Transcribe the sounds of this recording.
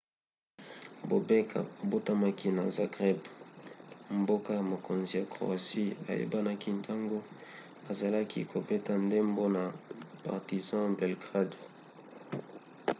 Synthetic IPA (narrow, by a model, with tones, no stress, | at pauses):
bo˨bɛ˦ka̰˨a˨bo˦ta˦ma˦ki˦na˨za˨ɡʁɛ˦b | mbo˦ka˦ja˨mo˨ko˨nzi˦ja˨kʁo̰˨a˨si˦a̰˨jḛ˨ba˦na˦ki˦ntʰa˦ŋɡo˦ | a˨za˨la˦kḭ˦kʰo˨be˦ta˦nde˦mbo˦na˨pa̰˨ʁti˨zɑ̃˦bɛ˨lɡʁa˦d